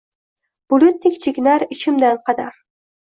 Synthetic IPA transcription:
b̥ʊlʊt̪̚nɪkʲt͡ʃʰɪkʲnaɾɪt͡ʃʰɪmd̪anqʰɑd̪aɾ

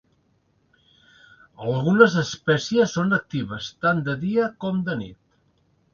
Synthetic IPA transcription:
əlˠɣunəzəspɛsiəsːonək̚t̪iβ̞əst̪and̪əðiəkɔmd̪ənḭt̪

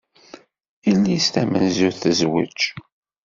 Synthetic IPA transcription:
ilːist̪æmə̰nzʊɾθəzwə̰t͡ʃ

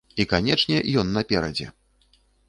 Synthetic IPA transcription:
ikanʲɛt͡ʂnʲɛjɔnːɐpʲɛɾɐd͡zʲɛ̰

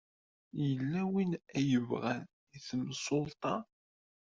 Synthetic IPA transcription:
jəlːæwinæjəvʁæn | iθəmsʊlt̪ˤɑ

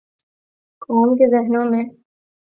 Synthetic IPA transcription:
kɔːmkezɪɦnõmẽ

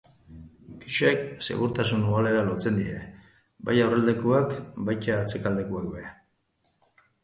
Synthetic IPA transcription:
kiʃekse̞̰ɣuɾt̪asunuɣale̞ɾalot͡se̞nd̪iɾe̞̰ | ba̰jawreld̪e̞kuakbajcaːt͡se̞kald̪e̞kuakbeɾa

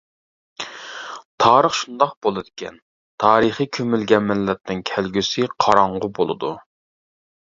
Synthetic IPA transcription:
t̪ʰɑːɾəχʃund̪ɑq̚bolˠɨd̪ɪkʲʰɛ̰n | t̪ʰɑːɾəχikʲʰømylɡʲɛnmɪlːɛt̪nɪŋkʲʰɛlɡʲysɪqʰɑɾɑɴʁʊbolˠɨ̰d̪u

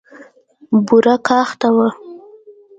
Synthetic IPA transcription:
buɾakɑxt̪awa

